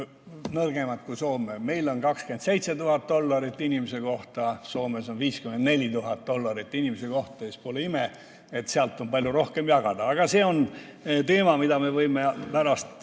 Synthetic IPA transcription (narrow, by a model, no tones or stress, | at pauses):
nɤrɡ̥e̞mɑt̪̚kuso̞ːmeme̞jlo̞nkɑkske̞nd̪se̞jt̪set̪uɦɑt̪̚d̪̥o̞lːɑɾit̪ːˑinʲimese̞ko̞ht̪ɑso̞ːme̞so̞nviːskymend̪ne̞lʲit̪uɦɑt̪̚d̪̥o̞lːɑɾit̪ːˑinimeseko̞ht̪ˑɑespoleime | et̪seɑlt̪ːˑo̞npɑlʲjuɾo̞hke̞mjɑɡ̥ɑd̪̥ɑɑɡ̥ɑse̞ːo̞n | t̪e̞ːmɑmid̪ɑme̞vɤjmepæɾɑst̪